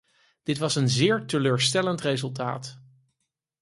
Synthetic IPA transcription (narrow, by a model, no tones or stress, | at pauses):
d̥ɪtʋɑsənzɪːɹtəløːɹstɛləntrezɵlˠta̰ːt